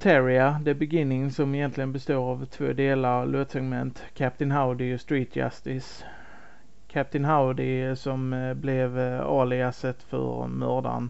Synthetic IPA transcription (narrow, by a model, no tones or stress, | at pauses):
t̪ʰæɾɪad̪ɛæbɛɡɪnːɪŋsɔmɪjɛnt̪lɪɡənbɛst̪oːɾavt̪ʰvo̰ːd̪eːlaɾɑvlʔoːt̪sɛɡmɛnt̪kʰæp̚t̪ɪnɦaʊd̪ɪɔst̪ɾiːt̪̚d͡ʒa̰st̪ɪs | kʰæp̚t̪ɪnɦaʊd̪ɪsɔmblɛvɑ̰ːɭɪɡasɛt̪ːfœ̰ɾmœːɾɖ̪a̰n